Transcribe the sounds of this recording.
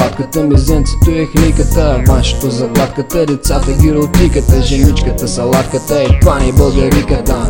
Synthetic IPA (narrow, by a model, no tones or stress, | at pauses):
at̪kət̪əmizɛnt̪si̥t̪ʊɛxlikət̪əvaʃɪ̥t̪ozɐklˠat̪kət̪əlit̪sat̪əɡʲiɾot̪ʲikət̪əʒɛnit͡ʃkət̪əsɐlˠat̪kət̪əipanʲibɐlˠɡɐɾikət̪ə